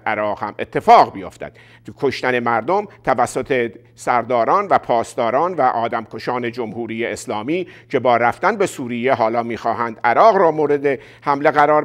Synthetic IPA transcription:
ʔæɾɒːɣhæmet̪ʰːe̞fɒːɣbijo̰ft̪æ̰d̪̥ | kʰoʃt̪æne̞mæɾd̪o̞mt̪ʰævæsːot̪ʰe̞ | sæɾd̪ɒːɾɒːnvæpʰɒːst̪ɒːɾɒːnvæʔɒːd̪æmkʰo̞ʃɒːne̞d͡ʒomhuːɾiːjeeslɒːmiːcʰe̞bɒːɾæft̪ænbe̞suːɾiːjeɦɒːlɒːmiːxɒːɦænd̪æɾɒːɣɾɒːmoːɾe̞d̪e | hæmle̞ɣæɾɒːɾ

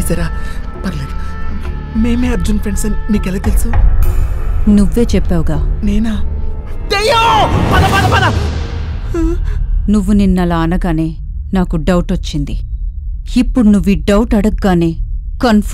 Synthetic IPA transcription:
sɐɾaːpɐɾled̪u | me̞ːmeːɐɾd͡ʒunpʰɾeɳɖsɐnimiːkɛlaːt̪elsu | nuʋːe̞ːt͡ʃɛpːaːʋuɡaːneːnaː | d̪ejopɐnɐbɐnɐbɐnɐ | nuʋːuninːɐlaːɐnɐɡaːne̞ː | naːkuɖɐwʈɐt͡ʃːind̪i | ipːuɽunuʋːiɖɐwʈɐɽɐɡːaːneːkɐnf

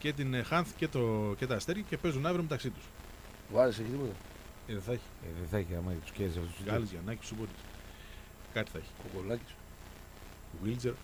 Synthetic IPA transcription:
cet̪̬inxɐnθcet̪ocet̪ɐːst̪eɾʝɐcepe̞zunɐvɾiome̞t̪ɐksit̪u̥s | vɐɾiseçit̪ipot̪ɐ | eðeθɐçi̥eðeθɐçiɐmɐet̪u̥sceɾsɐft̪osɐlizʝɐnɐcipsupot̪is | kɐt̪i̥θɐçi̥okolɐci̥s | wild͡zeɾ

